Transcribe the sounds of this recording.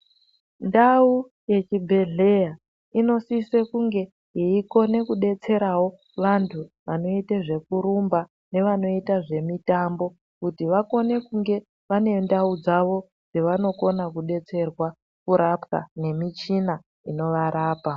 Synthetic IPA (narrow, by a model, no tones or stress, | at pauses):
ndau | je̞t͡ʃibʱe̞ɮe̞ja | ino̞sisekuŋɡe̞ | iiko̞ne̞kuɗe̞t͡se̞ɾawo̞ | ʋantʰuʋano̞iteʐe̞kuɾumba | ne̞ʋano̞itaʐe̞mitambo̞ | kutiʋako̞ne̞kuŋɡe̞ | ʋane̞ndaud͡zaʋo̞ | d͡zeʋano̞ko̞nakuɗe̞t͡se̞rwa | kuɾʔapka̰ne̞mit͡ʃina | ino̞ʋaɾaːpa